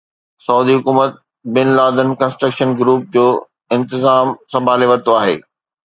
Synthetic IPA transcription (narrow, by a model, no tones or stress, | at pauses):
sɐuːd̪iɦʊkuːmət̪̚ | bɪnlaːd̪ənkɐ̃nsʈɾəkʃənɡɾuːp̚d͡ʑoː | ɪ̃nt̪ɪzaːmsɐbʱaːleʋɐɾt̪oaːɦḛː